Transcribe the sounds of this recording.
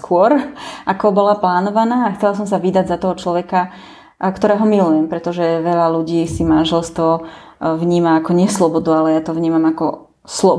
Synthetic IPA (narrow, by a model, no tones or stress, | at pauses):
skʊɔɾʔakɔbɔlaplaːnɔʋanaːaxt͡sɛlas̬ɔmsaʋid̪aɟzat̪ɔɦɔt͡ʃlɔʋɛka | kt̪ɔɾɛːɦɔmilujɛmpɾɛt̪ɔʒɛʋɛʎaluɟiːsimanʒɛlst̪ʋɔ | vɲiːmaːkɔɲɪɛslɔbɔd̪ualɛjat̪ɔvɲiːmamakɔ | slɔ